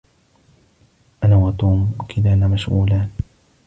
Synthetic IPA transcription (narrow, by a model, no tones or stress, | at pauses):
ʔanaːwat̪uːmkɪdaːnamaʃʔṵːlaːn